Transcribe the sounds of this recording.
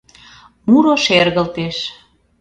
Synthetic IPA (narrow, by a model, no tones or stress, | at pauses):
muɾoʃerɣə̆lt̪eʃ